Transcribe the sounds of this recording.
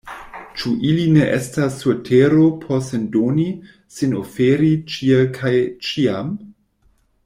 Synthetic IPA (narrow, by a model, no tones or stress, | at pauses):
t͡ʃuʔiline̞ʔestasːutʰeɾopʰosendoni | sinofeɾit͡ʃielkʰajt͡ʃiam